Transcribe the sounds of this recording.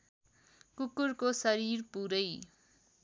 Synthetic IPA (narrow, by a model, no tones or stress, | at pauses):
kukuɾkosʌɾiɾpuɾʌj